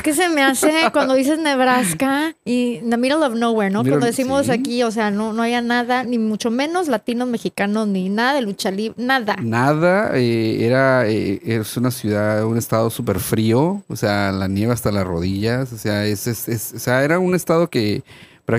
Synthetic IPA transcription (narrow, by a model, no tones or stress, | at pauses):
ke̞s̬e̞me̞ase̞kwand̪o̞ðise̞zne̞β̞ɾaskainamiɾolofnoweɾnokand̪oesimosakio̞s̬eano̞noaβianaðanimut͡ʃo̞mẽ̞no̞zlat̪ino̞zme̞xikano̞zninaðaðelut͡ʃaliβnaðanaðaeeɾaeesunasjuðaðune̞st̪aðo̞supeɾfɾio̞osealanje̞βast̪alazro̞̰ðiʝasoseaesesesoseae̞ɾaune̞st̪aðo̞ke | pɾa